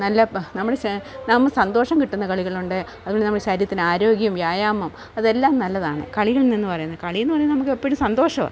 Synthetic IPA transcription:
nɐlːɐnɐmːuɽenɐmːɨsɐnd̪o̞ːʂɐmkiʈːunːɐkɐɭiɣɐɭuɳɖɨ | ɐðuʋoɳɖinɐmːuɽeɕaɾjɐt̪ːinɨaːɾo̞ːɡjɐmʋjaːjaːmɐm | ɐðe̞lːaːmnɐlːɐðaːɳɨ̰kɐɭiɣɐɭninːɨpɐrɐjunːɐðɨkɐɭijenːɨpɐrɐjunːɐnɐmukːɨepːiɾumsɐnd̪oːʂɐmɐ̰

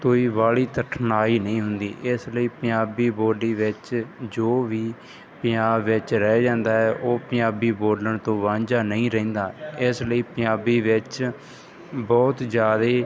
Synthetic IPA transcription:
t̪oːiːʋaːɭiːt̪əʈʰnaːiːnəĩːɦʊnd̪ḭːʔɪsləiːpə̃jaːbiːboːɖiːʋɪt͡ʃd͡ʒoːʋiː | pə̃jaːbːɪt͡ʃɾɛːd͡ʒãːnd̪aːɦɛːʔoːpə̃aːbiːboːləɳt̪õːʋãːɲd͡ʒaːnəĩːɾɛ̃ːnd̪aːɪsləiːpə̃jaːbiːʋɪt͡ʃ | bɔːt̪d͡ʒjaːd̪eː

